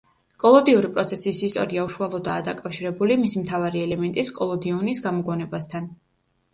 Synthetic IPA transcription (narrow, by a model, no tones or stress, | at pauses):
kʼɔlˠɔd̪iuɾipʼɾɔt̪sʰɛsisist̪ʼɔ̰ɾiauʃualˠɔd̪a̰ːd̪akʼafʃiɾɛbulimisimt̪ʰavaɾiɛlɛmɛnt̪ʼiskʼɔlˠɔd̪iɔnisɡamɔɡɔnɛbast̪ʰan